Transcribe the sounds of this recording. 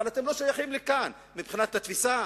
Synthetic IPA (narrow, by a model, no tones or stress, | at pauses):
alat̪e̞mlo̞ʃajaχimlekan | mibχinat̪at̪fisa